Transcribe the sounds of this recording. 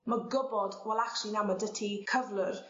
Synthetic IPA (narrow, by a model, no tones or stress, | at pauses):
maɡʊbɔdwɛlˠakʃinamadətʰikʰəvlər